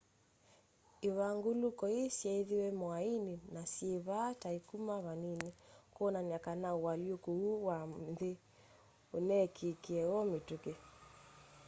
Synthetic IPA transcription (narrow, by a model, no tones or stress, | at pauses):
eβaŋɡolukɔesjɛiðiwɛmoainenasjeβataikumaβaninekoɔnanakanaowaljokouwamðe | onɛkʰekeɛwɔmetuke